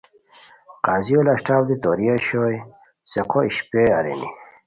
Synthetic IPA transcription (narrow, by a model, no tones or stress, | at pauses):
qaːziolaɕʈaːbd̪it̪oɾijaɕoj | t͡seqoiɕpeaɾḛni